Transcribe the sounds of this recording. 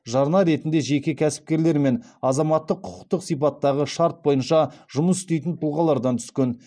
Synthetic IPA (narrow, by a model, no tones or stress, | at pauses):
ʒɑɾnɑɾe̞t̪ɪnd̪e̞ʒe̞kʲɪkʲʰæsɪ̥p̚kʲe̞ɾle̞ɾme̞nɑzɑmɑt̪ːəqʰːʊ̥qə̥q̚t̪əqsijp̬ɑt̪ːɑʁəʃɑɾt̪̚bo̞jənʃɑʒʊməsʏ̥st̪e̞jt̪ɪnt̪ʰʊulˠʁɑlˠɑɾd̪ɑnt̪ʰʏ̥skʲen